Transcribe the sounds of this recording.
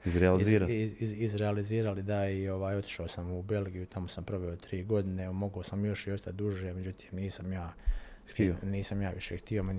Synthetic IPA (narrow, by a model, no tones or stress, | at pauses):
izɾealiziːɾaiiizɾealiziːɾalid̪aio̞ʋaːjo̞t̪i̥ʃaosamube̞lˠɡijut̪amosampɾo̞ʋe̞ot̪ɾiːɡo̞d̪ine̞mo̞ɡosamjo̞ʃjo̞ʃt̪ad̪uʒeme̞d͡ʑut̪ʰi̥ːmniːsamjaːt̪iniːsamjaːʋiʃext̪io̞men